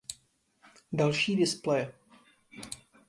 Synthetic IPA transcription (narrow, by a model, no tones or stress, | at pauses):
dalʃiːdɪsplɛj